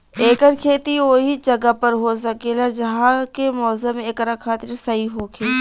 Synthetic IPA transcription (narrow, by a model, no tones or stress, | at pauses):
eːkəɾkʰeːt̪ioːɦid͡ʒɐɡapəɾɦos̬ɐkelad͡ʒɐɦãkemɔːzəmeːkɾakʰaːt̪ɪɾsɐɦiɦoːkʰeː